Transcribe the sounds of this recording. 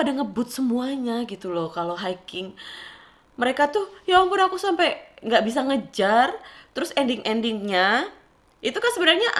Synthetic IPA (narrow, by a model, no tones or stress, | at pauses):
adaŋəbʊt̪̚səmuaɲaɡit̪ulɔhkaloɦajkɪŋ | məɾekat̪ʊhjawaŋpʊnakusampajŋɡaʔbis̬aŋəd͡ʒart̪əɾʊsɛndɪŋʔɛndɪŋɲa | it̪ukansəbənarɲaʔ